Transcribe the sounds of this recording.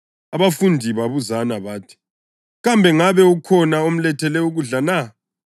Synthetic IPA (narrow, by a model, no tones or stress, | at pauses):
aβafundʱiβaβuzanaβaːtʰi̥ | ɣambʱɛŋaβɛukʰɔnaom̩lɛtʰɛlɛuɣuɮana